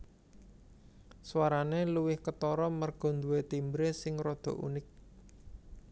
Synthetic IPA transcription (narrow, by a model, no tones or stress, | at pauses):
swaɾaneluwɪhkət̪ɔɾɔmərɡ̥ɔ̤nd̪uwet̪imbɾesɪŋrɔd̪̥ɔ̤ʔṵnɪk̚